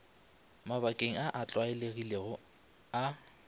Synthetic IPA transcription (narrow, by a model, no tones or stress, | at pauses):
mabakʼeŋ̩aʔat͡ɬʼwaɛleɣileɣʊ | a